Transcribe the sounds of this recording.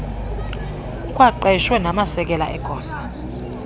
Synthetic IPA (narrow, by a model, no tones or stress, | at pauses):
ukʼwaǃɛʃwɛnamasɛk̬ɛla̰ʔɛɡ̥ʱɔːsḁ